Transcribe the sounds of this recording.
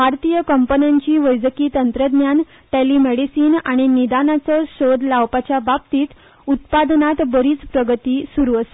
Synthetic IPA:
bʱaɾt̪ijəkəmpənaɲt͡ɕiːʋəjd͡zəkiːt̪ənt̪ɾəd̪njan | ʈeliːmeɽisiːnaɽ̃inid̪anat͡sɔɕod̪ʱlaʋpat͡ɕjabab̚t̪iːt̪ | ut̪̚pad̪nat̪bəɾiːt͡spɾəɡət̪iːsuɾuəse̥

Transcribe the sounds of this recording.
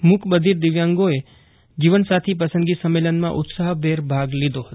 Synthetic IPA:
mʊkʰbəd̪ʱiɾd̪ɪʋjãŋɡoe | d͡ʒiʋənsat̪ʰip̬əsənd̪ɡisəmːelənmã̰ʔʊt̪saɦbeɾbʱaɡlid̪ʱoɦət̪o̥

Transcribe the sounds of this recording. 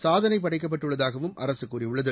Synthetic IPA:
saːðɐnɐɪp̬ːɐɽɐɪkːɐp̬ːɐʈːɯɭːɐðaːɣɐʋɯmʔɐ̰ɾɐsɯkːuːrɪjɯɭːɐðɯ

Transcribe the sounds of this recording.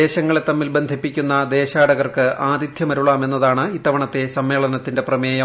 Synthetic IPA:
eːɕɐŋːɐɭet̪ːɐmːilbe̞nd̪ʱipːikʲːunːɐd̪e̞ːɕaːɽɐɣɐrkɨʔaːd̪id̪ʱjɐmɐɾuɭaːme̞nːɐðaːɳɨiːt̪ːɐʋɐɳɐt̪ːe̞sɐmːe̞ːɭɐnɐt̪ːinde̞prɐmeːjɐ

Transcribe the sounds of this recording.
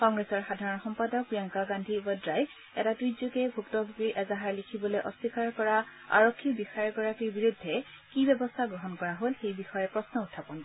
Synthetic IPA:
kɔŋɡɹesɔɹxadʱaɹɔnxɔmpadɔk̚pijaŋkaɡandʱibɔdɹaj | ɛ̰tatujzukɛbʱuktɔbʱuɡiʔɛzaɦaɹlikʰibɔlojʔɔsikaɹkɔɹa | a̰ɹokʰːibixaɹɛɡɔɹakiɹbiɹudʱːɛ | kibɛbɔstʰaɡɹɔɦɔnkɔɹaɦolxejbixɔjɛpɹɔsnɔutʰːapɔn

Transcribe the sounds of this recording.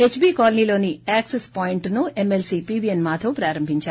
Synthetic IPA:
eːt͡ʃbiːkaːlɐniːlo̞ːniaːksespaːjiɳʈnuemelsipiːbienmaːt̪ʰɐwpɾaːɾɐmbʱiɲt͡ʃaːɾ

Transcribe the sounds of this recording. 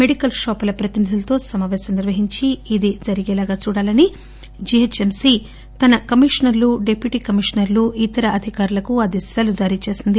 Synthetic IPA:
me̞ɽikɐlʃɔːpɐlɐpɾɐt̪inid̪ʱulɐt̪o̞ːsɐmaːʋɛːsɐmniɾʋɐɦiɲt͡ʃiːd̪id͡ʒɐɾiɡɛːlaːɡaːt͡ʃuːɽaːlɐni | d͡ʒiet͡ʃemsi | t̪ɐnɐkɐmiʂɐnɐɾluɖepʰjuʈiːkɐmiʂɐnɐɾluʔit̪ɐɾɐɐd̪ʱikaːɾulɐkuɐd̪isjaːlud͡ʒaːɾiːt͡ʃe̞ːsind̪i

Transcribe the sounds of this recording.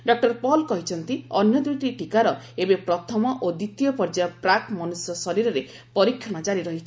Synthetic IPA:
ɖɔk̚ʈɔɾpɔlkɔɦit͡ʃʰɔnt̪iɔnjɔd̪ɾit̪iʈikaɾɔebepɾɔt̪ʰɔmɔʔod̪it̪ijɔpɔɾd͡ʒapɾakmɔnusjɔsɔɾiɾɔɾe | pɔɾikʰjɔɽ̃ɔd͡ʒaɾiɾɔɦit͡ʃʰi̥

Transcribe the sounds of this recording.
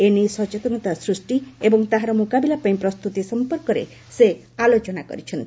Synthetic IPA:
enisɔt͡ʃet̪ɔnɔt̪asɾusʈiebɔŋt̪aɦaɾɔmukabilapaĩpɾɔst̪ut̪isɔmpɔɾkɔɾḛ | se | alot͡ʃɔnakɔ̰ɾit͡ʃʰɔnt̪i

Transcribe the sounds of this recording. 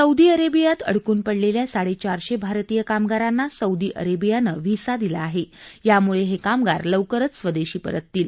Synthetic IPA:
səud̪iːəɾebijat̪ə̰ɽ̤kuːnpəɽleljasaɽet͡ɕaɾɕebʱaɾt̪ijəkamɡaɾanːasəud̪iːʔə̰ɾebijanəʋisad̪ilaːɦejamuɭeɦekamɡaɾləwkəɾət͡ssʋəd̪eɕiːpə̰ɾət̪ːiːl

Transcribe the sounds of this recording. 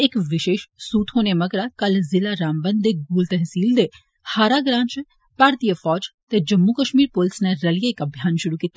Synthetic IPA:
ekʋɪʃeːʃsuːt̪ɦoːnemɐɡɾakɐlzɪlaɾaːmbə̃nd̪eɡuːlt̪ɛɦsiːld̪e | haːɾaːɡɾãːnt͡ʃ | paːɾt̪ijəfɔːd͡ʒt̪ed͡ʒɐmːukəʃmiːɾpolɪsneɾɐlijəɪkɐbʱjaːnʃʊɾukiːt̪ːa

